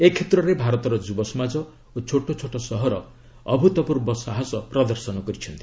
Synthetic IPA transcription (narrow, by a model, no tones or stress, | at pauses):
ekʰet̪ɾɔɾebʱaɾɔt̪ɔɾɔd͡ʒubɔsɔmad͡ʒɔ | ot͡ʃʰoʈot͡ʃʰoʈɔsɔɦɔɾɔ | ɔbʱut̪ɔpuɾbɔsaɦɔsɔpɾɔd̪ɔɾsɔnɔkɔɾit͡ʃʰɔnt̪i̥